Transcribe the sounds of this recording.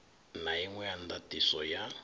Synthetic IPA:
najiŋwɛand̪atisɔja

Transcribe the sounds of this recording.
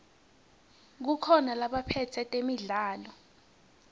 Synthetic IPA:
k̬ukʰɔnalaɓapʰɛtʰɛtʼemiɮaːlɔ

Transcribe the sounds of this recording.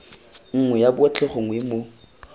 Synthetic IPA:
ŋ̩ŋwɛjabʊɔt͡ɬʼɛχoŋwemo

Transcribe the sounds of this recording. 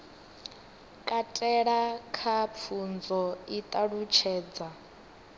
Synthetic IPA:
kʼatʼɛɺakʰap̪fʰund͡zɔit̪ʼaɺut͡ʃʰɛːd͡za

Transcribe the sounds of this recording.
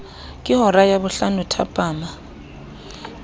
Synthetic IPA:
kʼɪhɔɾajaβʊɬanutʰa̰pʼaːma

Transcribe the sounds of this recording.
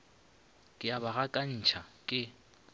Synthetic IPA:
kʼɪabaɣakʼan̩t͡ʃʰakʼɪ

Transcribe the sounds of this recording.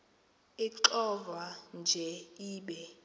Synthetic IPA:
iǁɔvand͡ʒʱɛiːɓɛ

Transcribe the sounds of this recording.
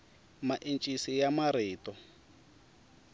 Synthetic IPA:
maʔint͡ʃʼisijamaɾɪːtɔ

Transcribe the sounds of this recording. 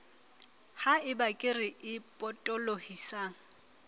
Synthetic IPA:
haɪbakʼɪrɪʔɪpʼɔtʼɔlohisaːŋ̩

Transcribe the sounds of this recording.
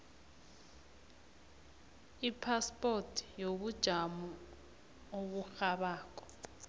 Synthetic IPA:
ipʰaspʼotʰjoɓud̥ʒ̥ʱamu | oɓuxaɓaːk̬ʼɔ̥

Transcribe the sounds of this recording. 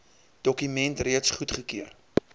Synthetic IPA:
d̥ɔkymɛntriətsχutχəkiər

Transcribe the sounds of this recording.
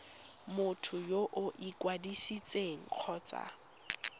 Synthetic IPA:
mʊtʰʊjoʔʊʔikʼwadisit͡sʼeŋ̩q͡χʰɔːt͡sʼa̰

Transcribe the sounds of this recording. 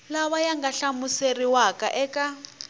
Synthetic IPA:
laβajaŋɡaɬamuseriwakaʔɛːkʼa

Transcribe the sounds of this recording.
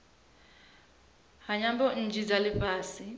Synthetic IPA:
ɦaɲambɔn̩d͡ʒʱid͡zalɪpʼaːsi

